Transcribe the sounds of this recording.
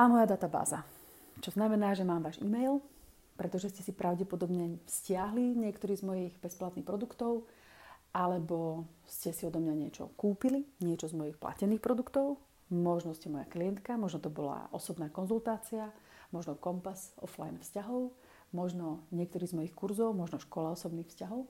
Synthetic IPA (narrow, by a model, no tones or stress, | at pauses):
ʔamɔjad̪at̪aba̰ːza | t͡ʃɔznamɛnaːʒɛmaːmʋaːʒḭmɛjl | pɾɛt̪ɔʒɛscɛsipɾʔaʊɟɛpɔd̪ɔbɲɛfscɪaɦliɲɪɛkt̪ɔɾiːzmɔjiɣbɛsplat̪niːxpɾɔd̪ukt̪ɔʊ | ʔalɛbɔscɛsiɔd̪ɔmɲaɲɪɛt͡ʃɔ̰kuːpiliɲɪɛt͡ʃɔzmɔjixpla̰cɛniːxpɾɔd̪ukt̪ɔʊ | mɔʒnɔscɛmɔja̰klijɛnt̪kamɔʒnɔt̪ɔbɔla̰ʔɔsɔbnaːkɔnzult̪aːt͡sia | mɔʒnɔkɔmpazɔ̰fla̰jnfscaɦɔʊ | mɔʒnɔɲɪɛk̚t̪ɔɾiːzmɔjixkuɾzɔʊmɔʒnɔʃkɔlaɔsɔbniːxfscaɦɔʊ